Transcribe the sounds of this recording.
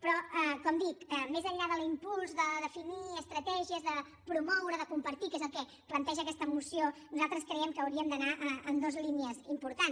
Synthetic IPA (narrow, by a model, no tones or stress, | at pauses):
pɾɔɛkɔmd̪ikəmezəʎːaðəlimpulˠzðəðəfiniəst̪ɾət̪ɛʒiəzðə | pɾumɔwɾəðəkumpəɾt̪ikezəlˠkɛ | plənt̪ɛʒəkɛst̪əmusionuzalˠt̪ɾəskɾɛjɛmkəːwɾiəmd̪ənaʔəənd̪ozliniəzimpuɾt̪ans